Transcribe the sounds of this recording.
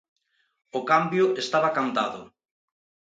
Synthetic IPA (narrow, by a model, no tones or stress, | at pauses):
ʊkambjʊʔest̪aβakant̪aðʊ̰